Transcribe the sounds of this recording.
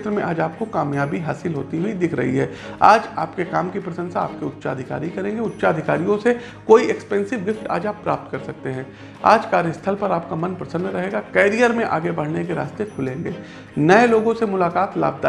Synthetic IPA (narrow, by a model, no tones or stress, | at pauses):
t̪ɾəmẽʔaːd͡ʒaːp̚kokaːmjaːbiɦaːsɪlɦo̰ːt̪iɦuid̪ɪkʰɾɐɦḭɦɛː | a̰ːd͡ʒaːpkekaːmkipɾɐsə̃nsaa̰ːp̚keʊtːʃaːd̪ʱɪka̰ːɾikɐɾẽːŋɡeʊtːʃaːd̪ʱɪkaːɾijõse | koːiɛkspɛ̃ːnsɪʋɡɪfʈa̰ːd͡ʒaːpːɾa̰ːp̚t̪kɐɾsɐk̚t̪eɦɛ̃ː | a̰ːd͡ʒkaːɾjəst̪ʰəlpɐɾaːp̚kamɐ̃npɾɐsə̃nd̪ɾɐɦeːɡakɛːɾijəɾmẽʔa̰ːɡebɐɽ̤nekeɾa̰ːst̪ekʰʊlẽːŋɡeː | nɐeloːɡõsemʊlaːkaːt̪la̰ːb̚d̪a